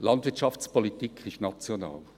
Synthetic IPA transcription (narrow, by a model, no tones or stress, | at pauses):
lɑndv̥ɪɐt͡ʃɑft͡spʰolitikʰɪʃtnat͡sjona̰ːl